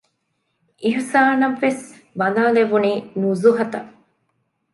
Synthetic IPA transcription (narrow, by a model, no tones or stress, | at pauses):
ʔiɦusaːnɐʋːes | bɐnaːleʋuniːnuzuɦɐt̪ɐ